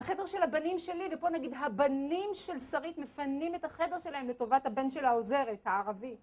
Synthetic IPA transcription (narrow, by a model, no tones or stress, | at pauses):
aχe̞de̞ʁʃe̞lhabanimʃe̞livepo̞naɡidɦabanimʃe̞lsaʁitmefanimethaχe̞de̞ʁʃe̞laɦemle̞to̞vathabe̞nʃelaoze̞ʁethaaʁavi